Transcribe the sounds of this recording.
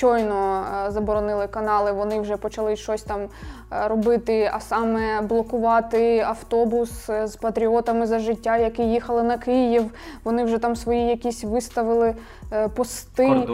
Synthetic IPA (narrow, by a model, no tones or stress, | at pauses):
ɔjnɔzɐbɔɾɔnɪlˠɪkɐnɑlˠɪʋɔnɪwʒɛpɔt͡ʃɐlˠɪʃɔsʲt̪ɑm | ɾɔbɪt̪ɪɐ̰sɑmɛblˠɔkʊʋɑt̪ɪɐwt̪ɔbʊszpɐt̪ɾʲiɔt̪ɐmɪzɐʒɪtʲːajɐkijixɐlˠɪnɐkɪjiwʋɔnɪwʒɛt̪ɑmsʋɔjijɐkʲisʲʋɪst̪ɐʋɪlˠɪ | pɔst̪ɪ